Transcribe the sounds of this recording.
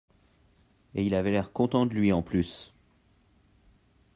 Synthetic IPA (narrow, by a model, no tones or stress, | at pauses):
eilavɛlɛʁkɔ̃t̪ɑ̃d̪əlɥiɑ̃plys